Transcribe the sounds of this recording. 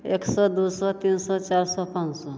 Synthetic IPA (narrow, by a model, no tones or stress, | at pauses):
eksɔd̪usɔt̪insɔt͡ɕaɾsɔpãnsɔ